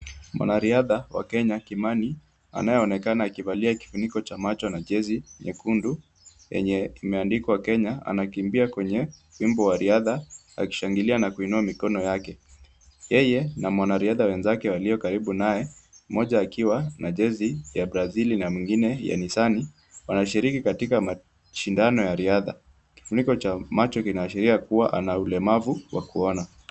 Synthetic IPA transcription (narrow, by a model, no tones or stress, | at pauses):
mwa̰naɾiaðawa̰kɛɲakimani | a̰najɛɔnɛkanaːkivaliaki̥funikɔt͡ʃamat͡ʃɔnaʄɛziɲɛkundu | jɛ̰ɲɛimɛandikwawakɛɲaa̰nakimbiakwɛɲɛwimbɔwaɾiaða | a̰ki̥ʃaŋɡilianakuinuamikɔnɔjakɛ | jɛjɛnamwanaɾiaðawɛnzakɛwaliɔkaɾiɓunaɛmɔʄaːkiwanaʄɛzijabɾazilinamwiŋɡinɛja̰nisani | wanaʃiɾikikatikama | ʃindanɔjaɾiaða̰ | ki̥funikɔt͡ʃamat͡ʃɔkinaːʃiɾiakuwaʔa̰naulɛmavuwa̰kuɔna